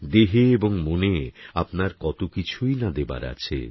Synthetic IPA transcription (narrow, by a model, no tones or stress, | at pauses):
d̪eɦeeboŋmoneapnaɾkɔt̪okit͡ɕʰujnad̪eba̰ɾa̰t͡ɕʰḛ